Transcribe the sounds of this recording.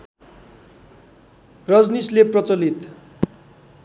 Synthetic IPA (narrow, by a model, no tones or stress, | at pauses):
rʌd͡znisleprʌt͡sʌlit̪